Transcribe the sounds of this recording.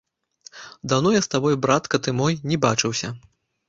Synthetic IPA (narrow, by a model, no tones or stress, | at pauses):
d̪awnɔjast̪abɔjubɾat̪kɐt̪ɨmɔjnʲɛbat͡ʂɨwsʲɐ